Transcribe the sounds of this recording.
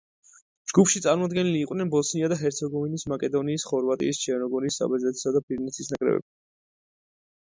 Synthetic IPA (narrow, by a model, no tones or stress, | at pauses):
d͡ʒɡupʰʃit̪sʼaɾmɔd̪ɡɛniliːqʼwnɛnbɔsniad̪aɦɛɾt̪sʰɛɡɔvinismakʼɛd̪ɔniːsχɔɾvat̪ʼḭːst͡ʃʰɛɾnɔɡɔɾisːa̰bɛzɛt̪ʰɛ̥sad̪apʰiɾnit̪sʰisnakʼɾɛ̰vɛ̰b